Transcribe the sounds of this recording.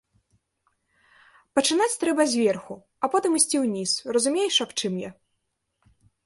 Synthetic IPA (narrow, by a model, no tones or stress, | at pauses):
pɐt͡ʂɨnat͡sʲt̪ɾɛbɐzʲvʲɛrxu | ɐpɔt̪ɨmisʲt͡sʲiwnʲisrɐzumʲejʂɐpt͡ʂɨmjɛ